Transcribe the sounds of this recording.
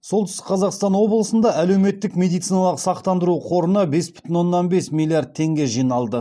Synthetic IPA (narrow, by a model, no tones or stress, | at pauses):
solˠt̪ʰʏst̪ɪ̥qʰɑzɑqst̪ɑnwo̞blˠəsənd̪ɑʔæle̞wme̞t̪ːɪkmʲe̞d̪ijt̪sijnɑlˠəqsɑqt̪ɑnd̪əɾuqʰo̞ɾənəbe̞sbʏ̥t̪ʲɪnwo̞nːɑnbe̞smʲilˠiaɾd̪̚t̪ʰːe̞ŋɡʲe̞ʒijnɑlˠd̪ə